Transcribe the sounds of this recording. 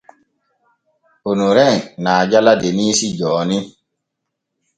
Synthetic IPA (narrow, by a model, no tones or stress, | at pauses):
onuɾɛnaːd͡ʒaladeniːsid͡ʒɔːni